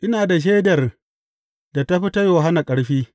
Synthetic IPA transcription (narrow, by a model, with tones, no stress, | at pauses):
ʔɪ˦naː˨da˨ʃ̬eː˦dɐ˨r | da˨ta˦ɸi˦ta˦joː˨ɦa˦na˨kʼɐ˦ɽɸiː˦